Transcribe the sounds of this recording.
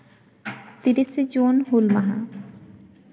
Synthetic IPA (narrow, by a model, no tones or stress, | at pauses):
t̪iɾised͡ʑonɦulmaɦa̰